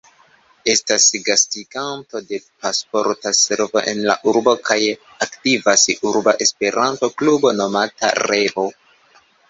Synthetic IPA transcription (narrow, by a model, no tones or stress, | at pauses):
e̞stasɡastiɡanto̞de̞paspo̞ɾtase̞ɾvo̞̰ʔenla̰ʔuɾbo̞kaj | aktivasuɾbaʔespe̞ɾʔanto̞klubo̞no̞mata̰ɾe̞vo̞